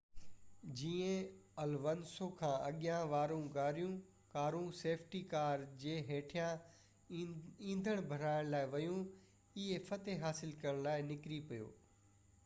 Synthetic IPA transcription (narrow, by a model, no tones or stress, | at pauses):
d͡ʑiːẽɐlʋɐnsokʰãːɐɠɪjãʋaːɾũɡaːɾijũ | kaːɾũseːpʰʈikaːɾd͡ʑeːɦeːʈʰijã | ĩːnd̪ʱəɽ̃bʱɐɾaːɪɽ̃laːɪʋɐjũ | ɪɦefɐt̪eɦaːsɪlkɐəɽ̃laːɪnɪkɾipijo̰ː